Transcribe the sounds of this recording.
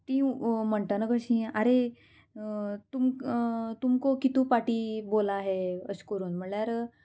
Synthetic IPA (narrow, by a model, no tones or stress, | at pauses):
t̪ĩm̤əɳʈ̪anəkəɕĩːaɾe | t̪umt̪umkokit̪ũːpaʈiːbolaɦeəskəɾuːnm̤əɳɭjaɾ